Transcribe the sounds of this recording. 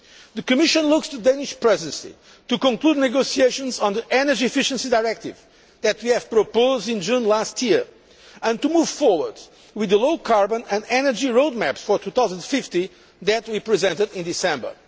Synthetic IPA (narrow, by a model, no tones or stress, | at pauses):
ðɨkɨmɪʃə̃nlˠʊkst̪ud̪ẽnɪʃpɹɛzɨ̃nsḭ | t̪ukɔ̃ŋklud̪ⁿnɨɡosieɪʃə̃nzɔ̃nðiʔɛnə˞d͡ʒiɨfɪʃə̃nsidaɪɹɛk̚tɪ̰v | ðɨt̪wiɨv̥pɹopoʊzdɪ̃nd͡ʒũnlastʰjiɹ | ɨ̃ntumuv̥fɔɹwə˞d̪ | wɨðəloʊkʰaɹbə̃nɨ̃ndɛnə˞d͡ʒiɹoʊd̪̚mæpsfɔ˞t̪ʰuθaʊzə̃nfɪftĩ | ðɨt̪̚wipɹizɛ̃ntɨdɪ̃nd̪ɨsɛ̃mbə̰˞